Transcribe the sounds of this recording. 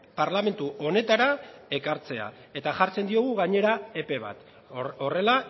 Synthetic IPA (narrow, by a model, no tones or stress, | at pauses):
paɾlame̞nt̪uʔo̞ne̞t̪aɾae̞kaɾt͡se̞a̰et̪aʝaɾt͡se̞nd̪io̞ɣ̞uɣaɲe̞ɾae̞pe̞β̞a̰t̪ | ore̞la